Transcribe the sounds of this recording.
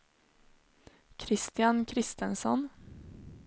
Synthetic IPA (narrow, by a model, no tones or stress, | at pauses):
kʰɾɪst̪ɪjankʰɾɪst̪ənsɔ̰n